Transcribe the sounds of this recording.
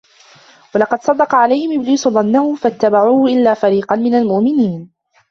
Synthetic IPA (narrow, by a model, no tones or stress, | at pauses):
wɑlɑqɑd̪sˤɑd̪ːɑqɑʕalajhɪmʔɪbliːsʊðˤɑnːahʊfat̪ːabaʕuːhʊʔɪlːaːfaɾiːqɑnmɪnalmʊʔmɪniːn